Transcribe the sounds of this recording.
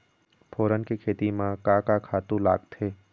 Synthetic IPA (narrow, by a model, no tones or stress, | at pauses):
pʰoːɾənkekʰeːt̪imãkakakʰaːt̪ũla̰ːɡt̪ʰeː